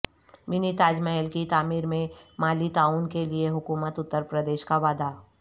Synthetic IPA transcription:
mɪnit̪aːd͡ʒməɦəlkit̪aːmiːɾmẽmaːlit̪aːuːnkelieɦʊkuːmət̪ʊt̪ːəɾpɾəd̪eːʃkaʋaːd̪a

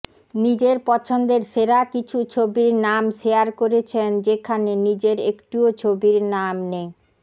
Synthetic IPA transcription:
nid͡ʑeɾpɔt͡ɕʰond̪eɾʃeɾakit͡ɕʰut͡ɕʰobiɾnamʃeaɾkoɾet͡ɕʰend͡ʑekʰanenid͡ʑeɾekʈuot͡ɕʰobiɾnamne

